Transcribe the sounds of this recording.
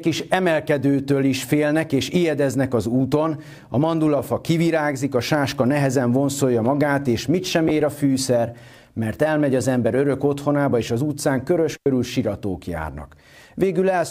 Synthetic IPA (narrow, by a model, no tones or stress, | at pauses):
kiʃɛmɛlkɛd̪øːt̪øːliʃfeːlnɛkeːʃijɛd̪ɛznɛkɒzuːt̪o̞n | ɒmɒnd̪ulɒfɒkiviɾaːɡzikɒʃaːʃkɒnɛɦɛzɛɱvo̞nso̞jːɒmɒɡaːt̪eːʃmit̪ʃɛmeːɾɒfyːsɛr | mɛrt̪ɛlmɛɟɒzɛmbɛɾøɾø̞ko̞t̪ho̞naːbɒeːʃɒzuːt̪saːŋkøɾøʃkøɾylʃiɾɒt̪oːkja̰ːrnɒ̰k | ʋeːɡylɛl